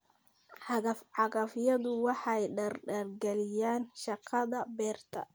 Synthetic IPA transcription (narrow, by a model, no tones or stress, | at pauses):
ħɑɣɐfʕɑɣɐfjɐðʊwɑħɑjɖɐrɖɐrɡɛlɪjaːnʃɑqʰɑðɐbɛːrt̪ʰɐ̰